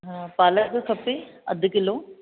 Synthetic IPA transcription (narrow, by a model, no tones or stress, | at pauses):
ɦãpaːləkkʰɐpeɐ̰d̪kɪloː